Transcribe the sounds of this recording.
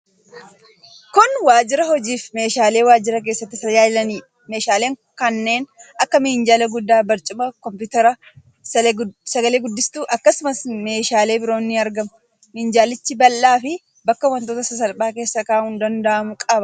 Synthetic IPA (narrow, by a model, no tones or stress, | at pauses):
kʊnwaːd͡ʒɪɾɐhɔd͡ʒiːfme̞ːʃaːle̞ːwaːd͡ʒɪɾɐk̬e̞ːsːɐt̪ːɪsɐjaːɪlɐniː | me̞ːʃaːleːŋkɐnːe̞ːnɐkːɐmɪnd͡ʒaːlɐɡʊd̪ːaːbɐɾt͡ʃʼʊmɐkɔmpʊt̪ɐɾɐ | sɐɡɐle̞ːɡʊd̪ːɪst̪uːʔɐkːɐsʊmɐsme̞ːʃaːle̞ːbɪɾo̞ːnːɪɐɾɡɐmʊ | mɪnd͡ʒaːlɪt͡ʃːɪbɐlːaːfɪ | bɐkːɐwɐnt̪oːt̪ɐsɐs̬ɐlbaːke̞ːsːɐkaːhʊnd̪ɐnd̪ɐʔɐmʊkʼɐbɐ